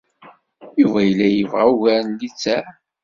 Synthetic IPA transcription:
juvæjəlːæjəvʁauʝæɾnlit͡sːæ

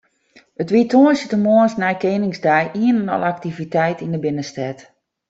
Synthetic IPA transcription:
ətʋitʰoənsjətəmoənsnɛjkeːnɪŋsdɛjʔiənənɔ̰lˠak̚tivitɛjtindəbɪnəstɛt

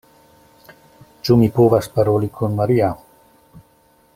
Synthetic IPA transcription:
t͡ʃumipovaspaɾolikʰonmaɾia

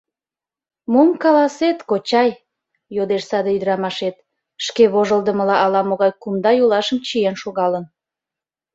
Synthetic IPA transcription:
momkɑlɑset̪kot͡ɕɑj | jod̪eʃsɑd̪eyd̪əɾɑmɑʃet̪̚ | ʃkeβoʒəld̪əməlɑʔɑlɑmoɣɑjkumd̪ɑjolɑʃəmt͡ɕijenʃoɣɑlən

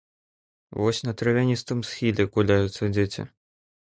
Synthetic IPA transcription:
vɔsʲnɐt̪ɾɐvʲanʲist̪ɨmsxʲilʲɛkulʲajʊt̪sːɐd͡zʲet͡sʲḭ

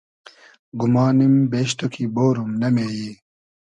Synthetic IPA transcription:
ɡumɑːnimbeːʃt̪okʰiboːɾumnɐmeːji

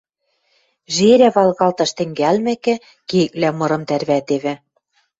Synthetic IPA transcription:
ʒeɾæβɑlˠɣɑlt̪ɤ̆ʃt̪ɘ̆ŋɡælmɘ̆kɘ̆ | kek̚læmɤ̆ɾɤ̆mt̪ærβæt̪eβɘ̆

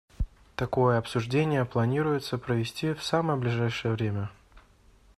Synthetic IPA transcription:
t̪ɐko̞jəɐpsʊʐdʲenʲɪjəplˠɐnʲiɾʊjɪt̪səpɾəvʲɪsʲtʲifsaməjəblʲɪʐajʂɨjəvɾʲemʲə

